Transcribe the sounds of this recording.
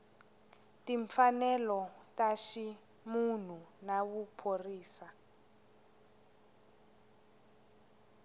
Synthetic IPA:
tiɱfanɛlɔtaʃi | mun̤unaβupʰoriːsa

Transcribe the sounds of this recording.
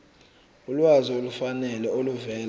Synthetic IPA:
ulwaziolufanɛlɛoluvɛːl

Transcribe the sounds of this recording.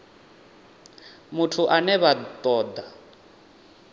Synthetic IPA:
mutʰuʔanɛβat̪ʼɔːd̪a

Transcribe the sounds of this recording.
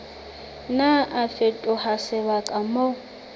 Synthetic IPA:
naʔafetʼʊhasɪβakʼamo

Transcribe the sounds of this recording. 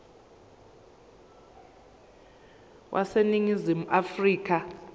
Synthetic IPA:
wʔa̰seniŋizimuʔafriːk̬ʰʼa

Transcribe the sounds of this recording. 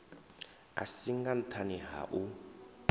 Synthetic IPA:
a̰siŋɡan̩tʰaniɦa̰ʔu

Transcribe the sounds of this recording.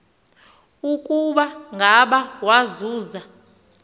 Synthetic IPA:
ukʼuɓaŋɡʱaɓawazuːza

